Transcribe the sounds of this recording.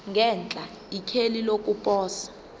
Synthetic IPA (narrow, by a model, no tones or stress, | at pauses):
ŋɡʱɛnt͡ɬʼa | ikʰelilok̬ʼupʼɔːsḁ